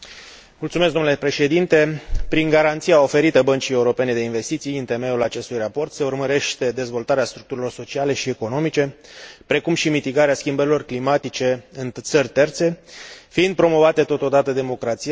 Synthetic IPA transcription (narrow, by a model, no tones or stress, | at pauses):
mult̪sumesɡd̪omnulepɾe̞ʃe̞d̪int̪e̞pɾiŋɡaɾant̪siao̞fe̞ɾit̪əbənt͡ʃije̞uɾo̞pe̞ne̞d̪e̞inve̞st̪it̪sijɨnt̪e̞me̞ulat͡ʃe̞st̪ujrapo̞rt̪se̞urməɾe̞ʃt̪e̞d̪e̞zvo̞lt̪aɾeast̪ɾuk̚t̪uɾilo̞rso̞t͡ʃiale̞ʃie̞ko̞no̞mit͡ʃe̞pɾe̞kumʃimit̪iɡaɾeaskʲimbəɾilo̞rklimat̪it͡ʃe̞ɨnt̪sərʲt̪e̞rt̪se̞fiɨind̪̚pɾo̞mo̞vat̪e̞t̪o̞t̪o̞d̪at̪əd̪e̞mo̞kɾat̪sij